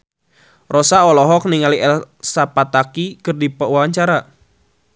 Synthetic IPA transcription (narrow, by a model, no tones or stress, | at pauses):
rɔsaɔlɔɦɔk̚niŋaliɛlsapat̪akikɨrdipəwawaɲt͡ʃaɾa